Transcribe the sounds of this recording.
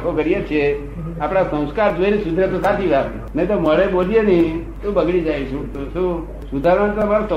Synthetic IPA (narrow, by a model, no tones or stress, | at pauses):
kʰokəɾijet͡ʃʰe | apɽ̃asə̃w̃skaɾd͡ʒuenisud̪ʱɾet̪osat̪ʰiʋaɾ | nə̃ĩt̪oməɭebolienĩ | t̪ũbəɡɽid͡ʒait͡ʃʰũt̪utũ | sud̪ʱaɾmant̪omaɾosə